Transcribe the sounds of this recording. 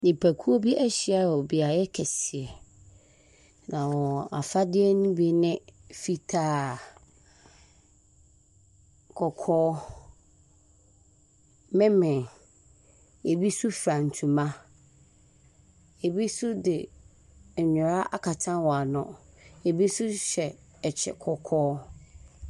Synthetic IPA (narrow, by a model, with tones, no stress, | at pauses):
nɪ̃˨pʰæ˨kʰu˦o˦bi˦ʔɛ˦ɕi˨˦a˦˨ɔ˨bi˨a˨jɛ˦kʰɛ˨si˨ɛ˨ | nã˨wɔ˨a̰˨fa˦dɪ˦ɛ˦nũ˦bi˦nɪ̃˦fi˦tʰaː˦ | kʰɔ˨kʰɔː˦ | mɪ̃˦mɪ̃˨ | e˨bi˦su˦fɾã˨n̩˨tʰũ˨mã˦ | e˨bi˦su˦dɪ˨ | ɲʊ˨ɾa˦a̰˦kʰa˨tʰã˦nwɔ˨a˨nʊ̰̃˨e˨bi˦sʊ˦ɕɛ˨ | ɛ˨t͡ɕʰɛ̰˨kʰɔ˨kʰɔː˦